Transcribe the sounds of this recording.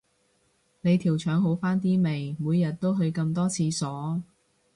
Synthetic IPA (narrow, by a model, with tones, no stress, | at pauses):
ne˨˧jt̪ʰiː˨˩wt͡ʃʰœː˨˥ŋɦo˨˥wfaː˥nt̪iː˥me˨˩jmuː˨˧jːɐ˨t̚t̪o˥wɦɵ˧ɥkɐ˧mt̪ɔː˥t͡sʰiː˧sɔː˨˥